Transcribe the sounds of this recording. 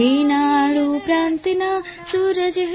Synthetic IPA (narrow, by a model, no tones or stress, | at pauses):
inaɭupɾaːnt̪inasuɾəd͡ʒɦ